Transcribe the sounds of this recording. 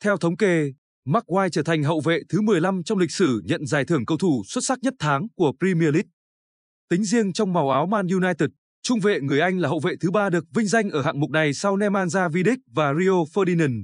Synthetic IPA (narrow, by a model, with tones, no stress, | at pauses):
t̪ʰɛ˧wt̪ʰə˨˦wŋ͡mke˧ | maː˦˥k̚waː˧jt͡ɕəː˧˩t̪ʰa˨˩ŋ̟ɦə̰˧˨wvḛ˧˨t̪ʰɨ˨˦mɨ˨˩əjla˧mt͡ɕɔ˧wŋ͡mlï˨˩k̟̚sɨ˧˩ɲə̰˧˨nzaː˨˩jt̪ɨ˧˩əŋkə˧wt̪ʰu˧˩swə˦˥t̚sa˦˥k̚ɲə˦˥t̚t̪ʰaː˨˦ŋku˧˩əpɾi˧mi˧əli˦˥t̚ | t̪ï˨˦ŋ̟zi˧əŋt͡ɕɔ˧wŋ͡mma˨˩wʔaː˨˦wmaː˧nju˧naː˧jt̪i˨˩t̚ | t͡ɕʊ˧ŋ͡mvḛ˧˨ŋɨ˨˩əjʔa˧jŋ̟laː˨˩ɦə̰˧˨wvḛ˧˨t̪ʰɨ˨˦ɓaː˧ɗɨ˨˩ək̚vï˧ŋ̟za˧jŋʔəː˧˩ha̰ː˧˨ŋmʊ˨˩k͡p̚na˨˩jsa˧wnɛ˧mʔaː˧nzaː˧vi˧ɗï˦˥k̟̚vaː˨˩ɾi˧o˧fəː˧ɗi˧nə˨˩n